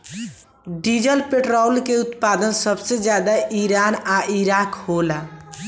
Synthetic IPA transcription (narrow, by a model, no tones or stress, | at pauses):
ɖid͡ʒəlpeʈɾalkeut̪pad̪ənsəbsed͡ʒjad̪aʔiɾanaiɾakhola